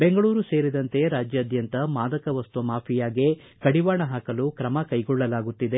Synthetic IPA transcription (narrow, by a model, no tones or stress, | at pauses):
beŋɡɐɭuːɾuse̞ːɾid̪ɐnt̪e̞ɾaːd͡ʒjɐːd̪ʱjɐnt̪ɐmaːd̪ɐkɐʋɐst̪uʋɐmaːpʰijaːɡe̞ | kɐɽiʋaːɳɐɦaːkɐlukɾɐmɐkɐjɡɔɭːɐlaːɡut̪ːid̪e̞